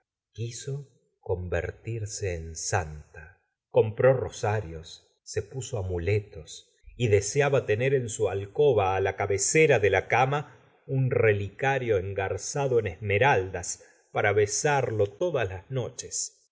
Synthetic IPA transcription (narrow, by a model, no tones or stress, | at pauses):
kiso | ko̞mbḛɾt̪iɾseːnsant̪a | ko̞mpɾo̞ro̞saɾjo̞sː | e̞puso̞amulet̪o̞s | iðe̞seaβat̪e̞neɾe̞nsualko̞βaːlakaβeseɾaðelakama | unrelikaɾjoeŋɡaɾsaðoenezme̞ɾald̪as | paɾaβesaɾlo̞t̪o̞ðaslazno̞t͡ʃes